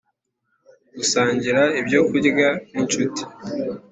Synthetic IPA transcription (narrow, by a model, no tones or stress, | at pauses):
ɡusaːɲɟiɾaibjokuɟɡaniɲt͡ʃuti̥